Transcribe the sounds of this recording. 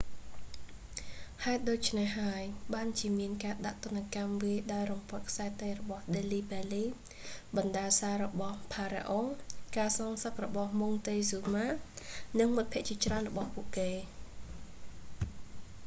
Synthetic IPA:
haɛt̪̚ɗoːc̚t͡ɕʰnehɦːaəjɓaːnt͡ɕiəmiənkaːɗaʔt̪ʊ̆ənːekamʋiəjɗaɔjrumpŏət̪̚kʰsaɛt̪əjrɔɓɑhɗeːliːpɛəliː | ɓɑnɗaːsaːɾɔɓɑhpʰaːɾḛʔoŋkaːsɑːŋsək̚rɔɓɑhmuŋt̪eːsuːmaːnɨŋmut̪̚pʰĭəʔt͡ɕiət͡ɕraənrɔɓɑhpuəʔkeː

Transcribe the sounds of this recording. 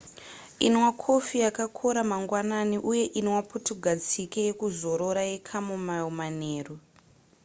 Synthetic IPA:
inwakʰofijakakʰoɾamaŋɡwananiʔuje̞ʔinwaputuɡʱad͡zikejekuzo̞ɾoɾajekʰamumaomaneːru

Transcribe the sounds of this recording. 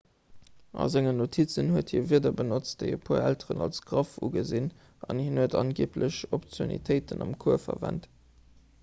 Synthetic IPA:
ʔɑ̰zeŋənotʰit͡sənhuəthiːɐviːɐdɐbənot͡std̥əɪəpʰuːɐæltəʁənɑlsɡ̥ʁɑfṵɡəzin | ʔɑnhinhuətʰɑnɡiːplʔəɕopt͡sjonḭtʰəɪtənɑmkʰuəfɐvænt

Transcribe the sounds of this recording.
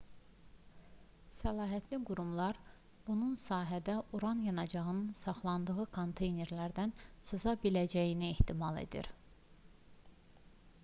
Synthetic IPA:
sælɑːɦæt̪ʰliɡuɾumlˠɑɾ | b̥ununsɑːɦæd̪æʔuɾɑnjɑnɑd͡ʒɑʁɯnɯnsɑχlˠɑnd̪ɯɣɯkʰo̞nt̪ʰe̞jne̞ɾlæɾd̪ænsɯzɑbilæd͡ʒæjinieht̪ʰimɑlˠḛd̪ḭɾ

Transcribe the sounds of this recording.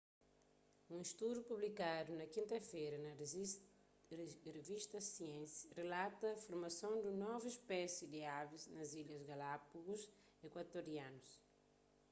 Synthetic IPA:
ũiʃt̪ud̪jupublikad̪unɐkĩnt̪ɐfejɾɐnɐ | reviʃt̪ɐsiẽsirelat̪ɐːfoɾmɐsɐ̃w̃d̪unɔviʃpɛsid̪ɪaviznɐziʎɐzɡalapuɡuz | ekwat̪oɾiãnus

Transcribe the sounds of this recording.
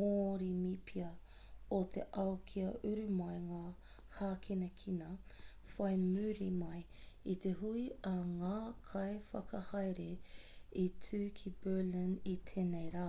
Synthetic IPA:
oɾimipʰiɐ | ot̪ʰḛʔɐwkʰiɐʔʉɾʉmɐjŋaː | haːkʰenɐkʰinɐ | fɐjmʉːɾimɐj | it̪eɦuiɐŋaːkʰɐjfɐkʰɐhɐjɾeitʰʉːkʰibɜːlinit̪ʰeːnejɾaː

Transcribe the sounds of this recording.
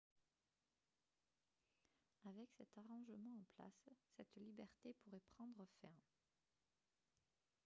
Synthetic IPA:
avɛksɛt̪aʁɑ̃ʒmɑ̃ɑ̃pla̰sːɛt̪libɛʁt̪epuʁɛpχɑ̃d̪ʁəfɛ̃

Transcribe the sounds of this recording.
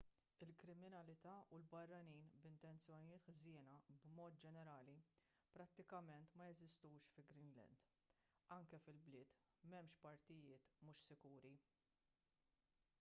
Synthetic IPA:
ɪlkɾɪmɪnɐlɪt̪ɐːulbɐrːɐniːnbɪnt̪ɛnt͡sjɔnɪjɪːt̪ħzɪːnɐbmɔːt̪̚d͡ʒɛnɛɾɐːli | pɾɐt̪ːɪkɐmɛnt̪mɐjɛzɪst̪uːʃfɪlɡɾinlɛ̰nd̪̥ | ɐŋkɛfɪlblɪːt̪ | mɛmʃpɐɾt̪ɪjɪːt̪mʊʃsɪkuːɾi

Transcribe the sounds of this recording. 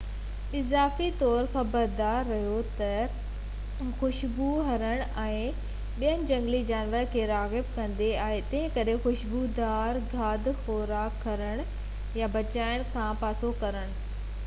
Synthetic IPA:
ɪzaːfit̪ɔːɾxɐbəɾd̪aːɾːɐɦijot̪ɐ | xʊʃbuɦɐɾəɽ̃ɛ̃ː | ɓijənɪ̆d͡ʑɐ̃ŋɡlid͡ʑaːnʋəɾkʰeːɾaːɣɪb̚kɐ̃nd̪eaːɦet̪ɐ̃ɦɪ̃kɐɾexʊʃbud̪aːɾɡʱaːd̪xɔːɾaːkʰːɐɾəɽ̃ | jabɐt͡ɕaːɪɽ̃kʰãːpaːsokɐɾəɽ̃ʊ

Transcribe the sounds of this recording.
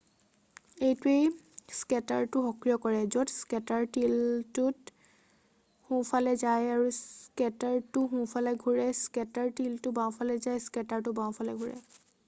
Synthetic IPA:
ejtuej | skɛtaɹtʊxɔkɹijɔkɔɹɛzotskɛtaɹtiltʊt | hũpʰalɛzajaɹuskɛtaɹtʊɦũpʰalɛɡʱuɹɛskɛtaɹtiltʊbãw̃pʰalɛzajskɛtaɹtʊbãw̃pʰalɛɡʱuɹɛ̰

